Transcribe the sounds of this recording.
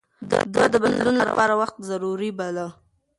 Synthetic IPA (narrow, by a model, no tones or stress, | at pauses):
d̪ɑd̪əbad̪lunlapɑɾawaxt̪zaɾuɾibala